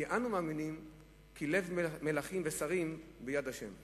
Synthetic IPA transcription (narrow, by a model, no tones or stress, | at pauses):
iʔanumaːminim | kʰile̞vmelaχimvesaʁimbejad̪aʃe̞̰m